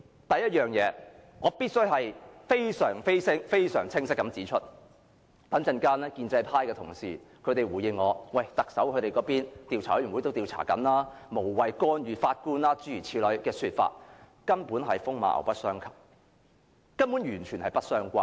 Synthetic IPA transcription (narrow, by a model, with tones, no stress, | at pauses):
t̪ɐ˨jɐ˥t̚jœː˨˩ŋjɛː˨˧ŋɔː˨˧piː˥t̚sɵ˥ɥɦɐ˨jfe˥jsœː˨˩ŋfe˥jsɪ˥ŋfe˥jsœː˨˩ŋt͡sʰɪ˥ŋsɪ˥kːɐ˨˥mt͡siː˨˥t͡ʃʰɵ˥t̚ | p̪ɐ˨˥nt͡sɐ˧nkaː˥nɛː˥kiː˧nt͡sɐ˧jpʰaː˥jkɛː˧t̪ʰʊ̰˨˩ŋsḭː˨˩kʰɵ˨˧ɥt̪e˨jwu˨˩jɪ˨˧ŋŋɔː˨˧wɐ˨˩jt̪ɐ˨k̚sɐ˨˥wkʰɵ˨˧t̪e˨jkɔː˨˧˥piː˥nt̪iː˨wt͡sʰaː˨˩˥yː˨˩nwu˨˥jt̪o˥wt̪iː˨˧wt͡sʰa̰ː˨˩kɐ̰˨˥nlaː˥mo˨˩wwɐ˨jkɔː˥njyː˨˧faː˧t̚kuː˥nlaː˥t͡syː˨˥jyː˨˩t͡sʰiː˨˧lɵ˨˥ɥkɛː˧syː˧t̚fa̰ː˧t̚ | kɐ˥npuː˨˥nɦɐ˨jfʊ˥ŋma̰ː˨˧ʔɐ̰˨˩wpɐ˥t̚sœː˥ŋkʰɐ˨˩p̚ | kɐ˥mpuː˨˥njyː˨˩nt͡ʃʰyː˨˩nhɐ˨jpɐ˥t̚sœː˥ŋkʷaː˥n